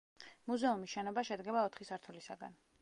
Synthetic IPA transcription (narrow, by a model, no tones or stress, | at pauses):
muzɛumisʃɛnɔbaʃɛd̪ɡɛbaɔt̪ʰχisaɾt̪ʰulisa̰ɡa̰n